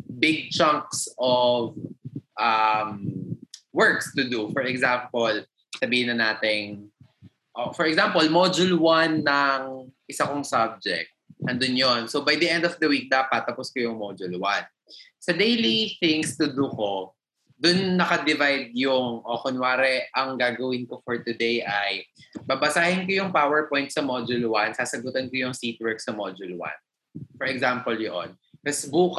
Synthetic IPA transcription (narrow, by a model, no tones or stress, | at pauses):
bɪɡ̚t͡ʃãŋk̚sɔvʔam | wɛɹkst̪ʊd̪ufɔɹɛɡzampol | sɐbiːhɪnɐnaːt̪ɪŋ | ʔofɔɹɛɡsampɔlmod͡ʒʊlwanːɐŋʔɪsɐkoŋsab̚d͡ʒɛ̰k̚t̪̚ʔɐnd̪ʊnjonsobɐjd̪ɐʔɛ̃nd̪ɔvd̪ɐwik̚d̪aːpɐt̪ːɐpʊskojʊŋmod͡ʒʊlwan | sɐd̪ejliθɪŋst̪ʊd̪uko | d̪ʊnːɐkɐd̪ɪvajd̪̚jʊŋʔokonwaːɾɛʔɐŋɡaːɡɐwɪnkofɔɹt̪ʊd̪ejʔɐjbabɐsaːhɪnkojʊŋpawɛɹpɔjnt̪̚sɐmod͡ʒʊlwansaːsɐɡʊt̪ɐnkojʊŋsit̪̚wɛɹk̚sɐmod͡ʒʊlwa̰n | fɔɹɛɡzampɔljoʔo̰n | kɐsbuːk